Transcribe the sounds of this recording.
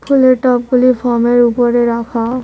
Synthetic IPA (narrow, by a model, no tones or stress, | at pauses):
pʰuleʈɔp̚ɡulipʰɔɹmeɹupɔɹeɹakʰa